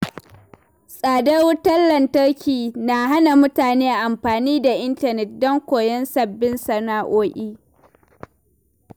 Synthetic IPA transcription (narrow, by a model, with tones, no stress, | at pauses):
sʼaː˨dɐ˦rwʊ˦tɐ˦lːɐ˨ntɐ˦ɽkʲiː˨na˨ɦa˦na˨mʊ˦taː˨neː˦ʔa˨ʔa˨mɸaː˨niː˦da˨ʔɪ˦ntɐ˨nɛ˨t̚dɔ˦ŋkʷoː˨jɛ˦nsɐ˨bːɪ˦nsɐ˨naː˦ʔoː˦ʔʲiː˦